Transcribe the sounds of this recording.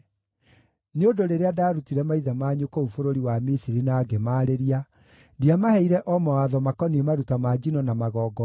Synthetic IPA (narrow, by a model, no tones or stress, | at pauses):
neodoɾeɾeadaːɾutiɾɛmaiðamaːɲokoufoɾoɾiwamisiɾinaːɡemaːɾeɾia | ndiamahɛiɾɛʔɔmɔwaðɔmakɔniemaɾutamad͡ʒinɔnamaɣɔːɡɔ